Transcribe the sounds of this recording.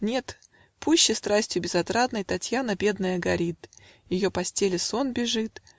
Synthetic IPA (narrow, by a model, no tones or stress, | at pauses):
nʲe̞t̪ | puɕːɪst̪ɾasʲtʲjʊbʲɪzɐt̪ɾad̪nəjt̪ɐtʲjanəbʲe̞d̪nəjɐɡɐɾʲit̪ | jɪjo̞pɐsʲtʲelʲɪso̞nbʲɪʐɨt̪